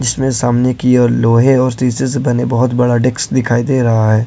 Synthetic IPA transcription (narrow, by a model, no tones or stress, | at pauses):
d͡ʒɪsmẽsaːmnekioloːɦẽɔːɾsiːsesbɐnebɐɦʊt̪bɐɽaɖeksd̪ɪkʰaːid̪eːɾɐɦaɦɛː